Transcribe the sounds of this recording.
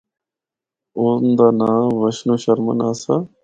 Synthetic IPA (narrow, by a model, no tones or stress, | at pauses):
oːnd̪aːnaːʋəʃnuːɕɐɾmə̰naːsa